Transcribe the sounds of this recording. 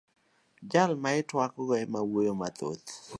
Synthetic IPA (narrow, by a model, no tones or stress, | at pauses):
d͡ʒalmaɪtwakɔɡɔɛmawojomat̪o̰t̪